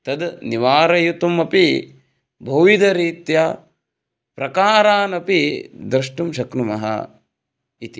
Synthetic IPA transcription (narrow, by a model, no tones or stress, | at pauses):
t̪ɐd̪niʋaːɾɐjut̪umɐpi | bʱɐʋid̪ɐɾiːt̪ja | pɾɐkaːɾaːnɐpid̪ɾɨʂʈumʃɐknumɐɦɐ̰ | it̪i